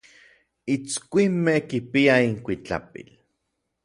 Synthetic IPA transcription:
it͡skʷimːehkipiaiŋkʷit͡ɬa̰pḭl

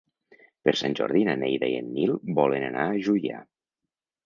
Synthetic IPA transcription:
peɾsanʲd͡ʒɔ̰ɾðinənejðaiḛnːilˠbɔlenənaːʒuja̰

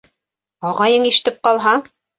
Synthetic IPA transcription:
ɑʁɑjɤɴiʃɘ̆t̪ɘp̚qɑlˠɦɑ

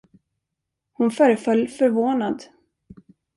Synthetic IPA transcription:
hʊnfœːɾəfœlːfœɾvoːnad̪

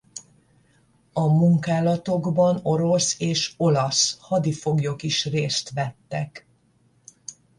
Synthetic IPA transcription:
ɒmuŋkaːlɒt̪o̞ɡbɒno̞ɾo̞seːʃo̞lɒshɒd̪ifo̞ɡjo̞kiʃreːst̪ʋɛt̪ːɛk

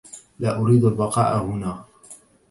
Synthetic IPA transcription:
laːʔʊɾiːd̪albɑqɑ̰ːʔahʊnaː

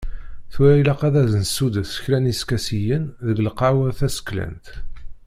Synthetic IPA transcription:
θʊɾæilæqæðæzənsud̪əθsə̥çlæniskæsijənðəɡəlqɑwəθæsə̥kːlæ̰nt̪

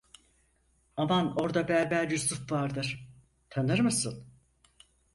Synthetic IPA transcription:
amano̞ɾd̪abæɾbæɾjusufvaɾd̪ɯɾ̥ | t̪ʰanɯɾmɯsɯn

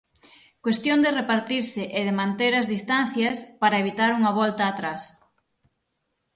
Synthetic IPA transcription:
kwest̪jond̪ɪrepaɾt̪iɾsɪʔeðɪmãnt̪eɾɐzðist̪an̟θjɐspaɾɐeβit̪aɾuŋɐβɔlt̪ɐːt̪ɾas

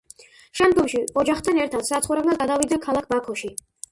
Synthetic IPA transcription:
ʃɛmd̪ɡɔmʃiɔd͡ʒaχt̪ʰanɛɾt̪ʰad̪sat̪sχuɾɛbnaɡad̪avid̪zɛkʰalˠakʰbakʰɔʃi

